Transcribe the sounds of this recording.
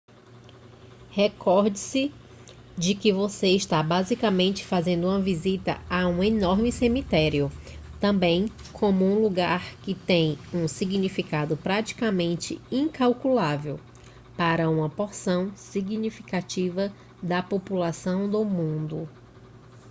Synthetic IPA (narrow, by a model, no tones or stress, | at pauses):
hɛkʰɔɾd͡ʒɪsɪ | d͡ʒɪkɪvoseiʃt̪abazikamẽnt͡ʃɪ̥fazẽnd̪ʊũmɐvizit̪ɐ̰aũenɔɾmɪsemit̪ɛɾiʊt̪ɐ̃bẽj̃ | kʰõmʊũluɡaɾkɪt̪ẽj̃ũsiɡnifikad̪ʊpɾat͡ʃi̥kamẽnt͡ʃɪ̰ĩkawkulavew | paɾɐũmɐpoɾsɐ̃w̃siɡnifikat͡ʃivɐ | d̪ɐpopulasɐ̃w̃d̪ʊmũnd̪ʊ